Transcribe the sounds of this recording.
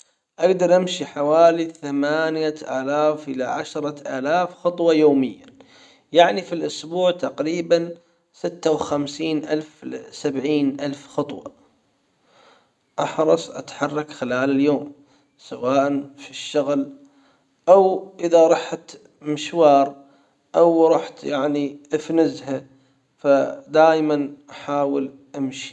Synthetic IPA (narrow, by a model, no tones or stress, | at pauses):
ʔaɡd̪ɑɾˤʔamʃiħawaːliθamaːnjaʔaːlaːfʔɪla̰ʕaʃɾˤɑʔaːlaːfxɑt̪ˤwɑjoːmɪjːa | jaʕnifilʔʊsbuːʕt̪aqɾiːban | sɪt̪ːawxamsiːnʔa̰lfsabʕiːnʔalfxɑt̪ˤwɑ̰ | ʔɑħɾˤɑsˤʔa̰t̪ħɑrˤːɑkxɪlaːlɪljoːm | sawaːʔanfiʃːaɣl | ʔawʔɪðaɾˤɑħt̪ | mɪʃwɑːɾˤ | ʔawɾˤɑːħt̪jaʕniʔɪfnɪzha | fad̪aːjmanʔaħaːwɪl | ʔamʃi̥